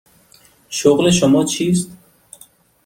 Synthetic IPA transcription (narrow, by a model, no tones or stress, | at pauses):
ʃoɣleʃʊmɔːt͡ʃʰist̪